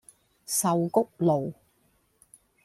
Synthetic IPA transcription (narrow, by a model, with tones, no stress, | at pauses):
sɐ˨wkʊ˥k̚lo˨w